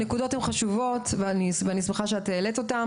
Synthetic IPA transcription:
nekudo̞themχaʃuvo̞tveanisveanismeχaʃeateːleto̞ta

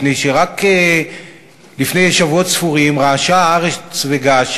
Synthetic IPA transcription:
nejʃeʁake | lifne̞jeʃavuotsfuʁimʁaːʃaːʁet͡sveɡaʃ

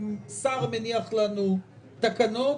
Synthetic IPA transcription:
msaʁmeniaχlanu | t̪akano

